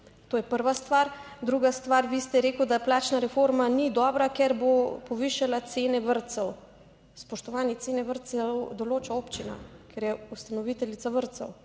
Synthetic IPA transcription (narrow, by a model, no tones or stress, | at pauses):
t̪oːjɛpəɾʋast̪ʋaɾ | d̪ɾuɡast̪ʋaɾʋist̪ɛɾeːkuwd̪aplaːt͡ʃnaɾɛfoɾmanid̪ɔːbɾakɛɾbopɔʋiʃalat̪seːnɛʋəɾt̪sɛw | spɔʃt̪ɔʋaːnjitsenɛʋəɾt̪sɛwd̪ɔloːt͡ʃaoːpt͡ʃina̰kɛɾjɛust̪anɔʋit̪ɛlit̪saʋəɾt̪sɛw